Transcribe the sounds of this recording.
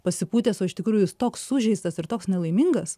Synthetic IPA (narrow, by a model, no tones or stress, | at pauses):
pɐsʲɪpuːt̪ʲeːsoːɪʃʲt̪ʲɪkɾuːjʊt̪oːksːʊʒʲɛɪst̪ɐsɪɾt̪oːksnʲɛlˠɐɪmʲiŋɡɐs